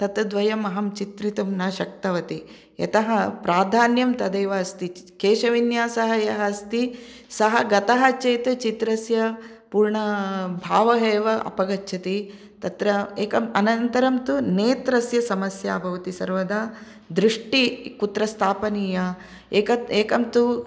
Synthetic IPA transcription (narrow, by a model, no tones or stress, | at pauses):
t̪ɐt̪d̪ʋɐjɐmɐɦɐmt͡ʃit̪ɾit̪umnaːʃɐk̚t̪ɐʋɐt̪i | jɐ̰t̪ɐɦɐpɾaːd̪ʱaːnjɐmt̪ɐd̪eːʋɐɐst̪ikeːʃɐʋinjaːsɐɦɐjɐɦɐɐst̪i | sɐɦɐɡɐt̪ɐɦɐt͡ʃeːt̪ɐt͡ʃit̪ɾɐsjɐ | puːɾɳɐbʱaːʋɐɦeːʋɐʔɐ̰pɐɡɐtːʃʰɐt̪i | t̪ɐt̪ɾɐeːkɐmɐnɐnt̪ɐɾɐmt̪uneːt̪ɾɐsjɐsɐmɐsjaːbʱɐʋɐt̪isɐɾʋɐd̪aː | d̪ɾuʂʈikut̪ɾɐst̪ʰaːpɐniːjɐ | eːkɐeːkɐmt̪u